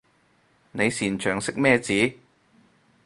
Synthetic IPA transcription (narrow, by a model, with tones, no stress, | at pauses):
ne˨˧jsiː˨˩nt͡ʃʰœː˨˩ŋsɪ˥k̚mɛː˥˧t͡siː˨˥